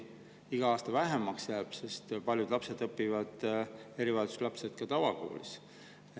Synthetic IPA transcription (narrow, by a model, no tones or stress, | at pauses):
iɡ̥ɑɑːst̪ɑvæɦemɑksjæːb̥se̞st̪pɑlʲjud̪̥lɑpse̞d̪̥ɤpːivɑd̪̥e̞ɾivɑjd̪u̥slɑpset̪̚kɑt̪ɑvɑko̰ːlḭs